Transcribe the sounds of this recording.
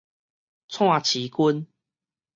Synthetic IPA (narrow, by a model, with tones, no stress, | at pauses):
t͡sʰw̃ã˥˨t͡ɕʰi˨˦ku˦n